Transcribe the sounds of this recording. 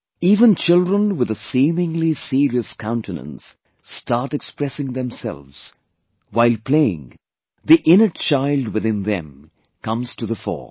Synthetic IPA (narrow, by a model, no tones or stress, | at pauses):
iːvə̃nt͡ʃɪlˠdɹə̃nwɨðəsĩmɪ̃ŋlisiɾiɨskʰãʊ̃ntɨnə̰̃ns | tɑɹtɛkspɹɛsɪ̃ŋðɛ̃msɛ̰lˠvz̥ | waɪlˠpʰl̥eɪɪ̰̃ŋ | ðiʔɪ̃nət̚t͡ʃʰaɪlˠd̚wɨðɪ̃nðɛ̰̃m | kʰʌ̃mz̥tʰɨðəfɔ̰ɹ